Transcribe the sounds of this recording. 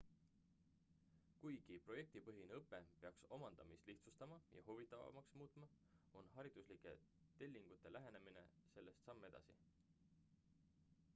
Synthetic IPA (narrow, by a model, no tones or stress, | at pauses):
kujɡ̥ipro̞je̞k̚t̪ipɤ̞ɦineɤpːˑe̞pe̞ɑkso̞mɑnd̪̥ɑmist̪liht̪sust̪ɑmɑjɑ̰huvit̪ːˑɑvɑ̰mɑksmuːt̪ˑmɑ | o̞nɦɑɾid̪̥uslikˑe̞̰ | t̪e̞lʲːiŋɡ̥ut̪ːˑe̞læɦene̞mine̞̰se̞lːe̞st̪sɑmːe̞d̪̥ɑ̰si